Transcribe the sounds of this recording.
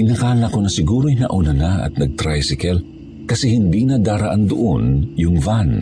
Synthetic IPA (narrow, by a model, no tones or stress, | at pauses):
ʔɪnɐkaːnɐɐkonɐsɪɡuːɾojnɐ̰ʔʊnɐnaʔɐ̰t̪̚nɐɡ̚t̪ɾajsɪkɛl | kɐsɛhɪnd̪inɐd̪aːɾɐʔand̪ʊʔonjʊŋvan